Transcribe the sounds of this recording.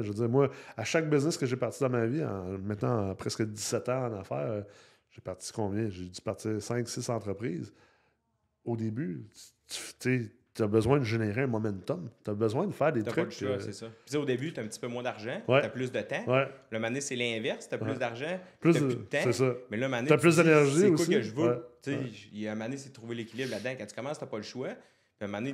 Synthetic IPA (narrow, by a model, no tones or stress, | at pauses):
ʒvəd͡ziːʁmwaaʃak̚bɪznɪskəʒepaʁt͡sid̪ãmaviɑ̰̃mɛ̃t̪nãpʁɛskəd͡zisɛt̪ãɑ̃nafæ̰ːʁ | ʒ̥epaʁtt͡si̥kɔ̃ːvjɛ̃ʒed͡zypaʁtt͡siːʁsɛ̃ŋksɪsɑ̃t̪ʁəpʁiːz | od̪eby̥t͡sy̥ft̪e | t̪yabəzwɛ̃d̪əʒeneʁeɛ̃mɔmɑ̃nt̪ɔmt̪yɐbəzwɛ̃d̪əfæːʁd̪et̪ʁʏlkʃwasesɔpi̥t͡seod̪ebyt̪ɛ̃p̚t͡si̥pømwɛ̃d̪aʁʒãwɛaplʏsd̪ət̪ãwɛlʌmaneselɛ̃vɛʁst̪ɐpwʏsd̪aʁʒãplʏsyt̪ːãsesɔmɛlʌmanaplʏsd̪enɛʁʒiosiʒvøwɛt͡seamanesed̪ət̪ʁuvelekʲilɪblad̪ãkãt̪y̥kʌmɑ̃st̪ɐpʌləʃwa | piamane